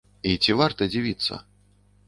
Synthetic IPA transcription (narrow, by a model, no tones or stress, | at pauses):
it͡sʲivart̪ɐd͡zʲivʲit̪sːɐ̰